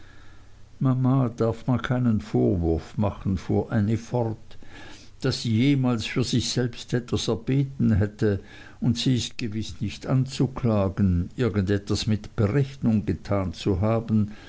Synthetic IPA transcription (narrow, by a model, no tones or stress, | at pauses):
mamaːd̥aɐfmankʰaɪnənfoːɐvʊɐfmaχən̩fṵːɐʔaɪnifɔʁt | d̥asːiːjeːmaːlsfyːɐzɪçsɛlpstʔɛtvasɛɐb̥eːtn̩ɦɛtə | ʊntsiːɪst̚ɡ̥əvɪsnɪçtant͡sukʰlaːɡənʔɪɐɡən̩dɛtv̥asmɪtb̥əʁɛçnʊŋɡətʰaːnt͡suɦaːbn̩